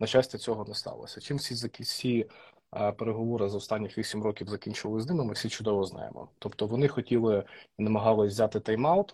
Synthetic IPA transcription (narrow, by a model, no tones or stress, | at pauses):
nɐt͡ʃasʲtʲɛt͡sʲɔɦɔnɛst̪ɑ̰lˠɔ̰sʲɐt͡ʃimfsʲizɐkʲisʲi | peɾeɦɔʋɔɾɪzɐɔst̪ɑnʲːɪxʋʲisʲimrɔkʲiwzɐkʲinʲt͡ʃɪʋɐlˠɪznɪmɪmɪfsʲit͡ʃʊd̪ɔʋɔznɑ̰jḛmɔ̰t̪ɔpt̪ɔʋɔnɪxɔtʲilˠɪnɐmɐɦɑlˠɪʋʲzʲat̪ɪt̪ɑjmɑʊt̪